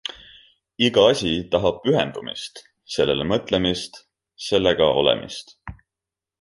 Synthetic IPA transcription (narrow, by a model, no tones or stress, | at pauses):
iɡ̥ɑɑsʲit̪ɑɦɑb̥̚pyɦe̞nd̪̥umḭst̪ | se̞lːelemɤt̪ˑle̞mist̪ | se̞lːe̞ɡ̥ɑo̞̰lɛ̰mʔḭst̪